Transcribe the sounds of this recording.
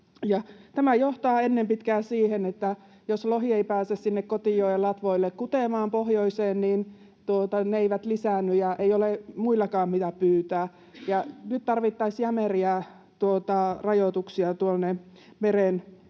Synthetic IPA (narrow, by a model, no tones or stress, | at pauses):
jɑt̪æmæjoht̪ɑːenːempit̪kæːssiːhenet̪ːæ | josloɦieipæːsessinːekkot̪ijoielɑt̪ʋoilːekkut̪emɑːmpohjoiseːnniːn | t̪uot̪ɑneeiʋæt̪lisænːyjɑeijolemuilːɑkɑːmmit̪æpyːt̪æː | jɑnyt̪t̪ɑrʋit̪ːɑisjæmeriæ | t̪uot̪ɑrɑjot̪uksiɑt̪uolne | meren